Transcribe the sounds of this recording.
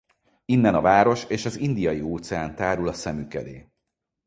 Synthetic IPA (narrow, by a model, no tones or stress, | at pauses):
inːɛnɒvaːɾo̞ʃeːʃɒzind̪ijɒjioːt̪sɛaːnt̪aːɾulɒsɛmykɛ̰d̪ḛː